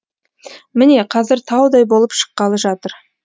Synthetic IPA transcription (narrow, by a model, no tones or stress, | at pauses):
mɪne̞qʰɑzɪɾt̪ʰɑwd̪ɑjbo̞lˠəpʃə̥qːɑlˠəʒɑt̪əɾ